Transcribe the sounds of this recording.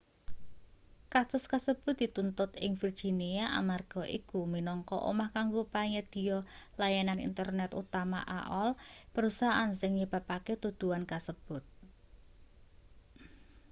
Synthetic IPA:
kasʊskəsəb̥ʊt̪̚d̪̥i̤t̪unt̪ʊt̪ɪŋfird͡ʒ̥iniaʔa̰marɡ̥ɔ̤ʔikuminɔŋkɔ̰ʔo̰mahkaŋɡopaɲɛd̪̥i̤jɔlajananḭnt̪ərnɛt̪ṵt̪ama̰ʔa̰ʔɔlpəɾusaʔansɪŋɲib̥a̤paket̪ud̪̥uankəsəb̥ʊt̪̚

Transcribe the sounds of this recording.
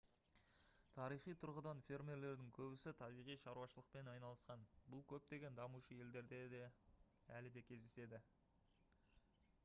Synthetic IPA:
t̪ʰɑɾijχijt̪ʰʊɾʁəd̪ɑnfʲe̞rmʲe̞ɾle̞ɾd̪ɪŋkʲʰɵbɪsɪt̪ʰɑbijʁijʃɑɾuwɑʃəlˠəqpe̞nɑjnɑlˠəsqɑnbʊlˠkʲʰɵp̚t̪e̞ɡʲe̞nd̪ɑmuʃəje̞ld̪e̞ɾd̪e̞d̪e | ælɪd̪e̞kʲʰe̞zd̪ese̞d̪ɪ

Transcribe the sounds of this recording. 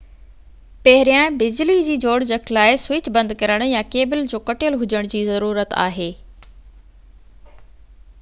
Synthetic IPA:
pɐɦɪɾijãbɪd͡ʑlid͡ʑiːd͡ʑoːɽd͡ʑɐkʰlaːɪswɪt͡ɕbɐ̃nd̪kɐɾəɽ̃jãkeːbɪld͡ʑoːkɐʈɪjəlɦʊd͡ʑəɽ̃d͡ʑiːzɐɾuːɾət̪a̰ːɦeː

